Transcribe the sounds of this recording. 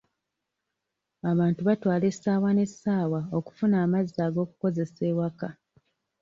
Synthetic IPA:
aβaːntuβatwaːle̞sːaːwane̞sːaːwao̞ku̥funaːmazaːɡo̞ːku̥ko̞ze̞se̞ːwaka

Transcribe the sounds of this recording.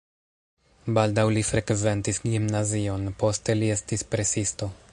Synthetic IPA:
baldawlifɾe̞kve̞ntisɡimnazio̞npo̞ste̞lie̞stispɾe̞sisto̞

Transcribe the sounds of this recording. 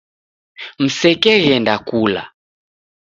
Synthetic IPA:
m̩sɛkɛɣɛndakula̰

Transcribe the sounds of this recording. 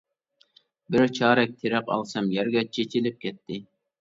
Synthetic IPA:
bɪɾt͡ʃʰɑːɾɛk̚ʲt̪ʰɪɾɛqɑ̰lˠsɑmjɛɾɡʲɛt͡ʃʰet͡ʃʰilɪp̚kʲʰɛt̪ʰːɪ

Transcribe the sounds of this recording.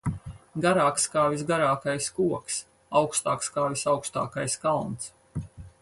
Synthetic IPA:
ɡaɾaːkskaːvisɡaɾaːkajskuɔks | awkst̪a̰ːkskaːvisawkst̪a̰ːkajskalˠnt̪s

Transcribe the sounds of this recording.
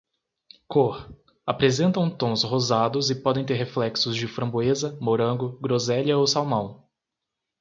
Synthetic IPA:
kʰoh | apɾezẽnt̪ɐ̃w̃t̪õw̃sɦozad̪ʊzɪpɔd̪ẽj̃t̪eɾɦeflɛksʊzd͡ʒɪfɾɐ̃boezɐmoɾɐ̃ŋɡʊɡɾozɛljɐowsawmɐ̃w̃

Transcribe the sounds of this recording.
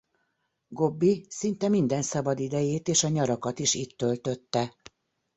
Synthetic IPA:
ɡo̞bːisint̪ɛmind̪ɛnsɒbɒd̪id̪ɛjeːt̪eːʃɒɲɒɾɒkɒt̪iʃiːt̪ːølt̪ø̞t̪ːɛ

